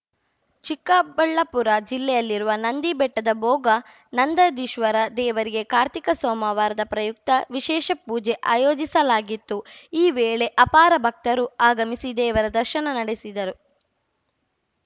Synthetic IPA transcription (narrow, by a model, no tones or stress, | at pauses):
t͡ʃikːaːbɐɭːɐpuɾɐd͡ʒilːɛjɐlːiɾuʋɐnɐnd̪ibɛʈːɐd̪ɐbɔːɡɐ | nɐnd̪ɐd̪iʃʋɐɾɐd̪ɛːʋɐɾiɡe̞kaːɾt̪ikɐsɔːmɐʋaːɾɐd̪ɐpɾɐjuk̚t̪ɐʋiʃɛːʃɐpuːd͡ʒeʔaːjoːd͡ʒisɐlaːɡit̪ːuiːʋɛːɭe̞ʔɐpaːɾɐbʱɐk̚t̪ɐɾuaːɡɐmisid̪ɛːʋɐɾɐd̪ɐɾʃɐnɐnɐɽesid̪ɐɾu